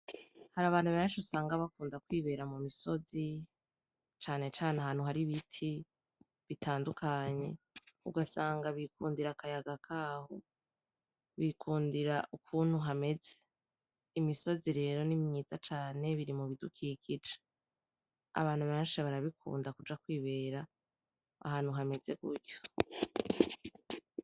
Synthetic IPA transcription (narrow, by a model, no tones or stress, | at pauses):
haɾaβaːn̥huβeːnʃusaːŋɡaβakuːndakwiːβe̞ːɾamumiso̞zi | t͡ʃaːne̞t͡ʃaːneɦan̥huɦaɾiβitʰi | βitaːndukʰaɲe̞̰ | uɡasaːŋɡaβikuːndiɾakajaɡakʰaːho̞̰ | βikʰuːndiɾaʔukʰuːn̥huɦame̞ze̞̥ | imiso̞ziɾe̞ːɾo̞nimɲiːz̥at͡ʃaːne̞βiɾimuβidukʰikid͡ʒe̥ | a̰βaːn̥huβeːnʃiβaɾaβikʰṵːndakud͡ʒakwiːβe̞ːɾa | a̰ɦaːn̥huɦame̞ze̞ɡṵɾɟo